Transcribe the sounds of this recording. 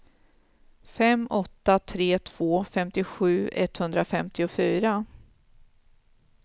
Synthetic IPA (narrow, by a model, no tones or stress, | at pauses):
fɛmɔt̪ːat̪ʰɾeːt̪ʰv̥oːfɛmt̪ɪɧʉ̟ːɛ̰t̪ːhɵnd̪ɾafɛmt̪ɪʊfyːɾa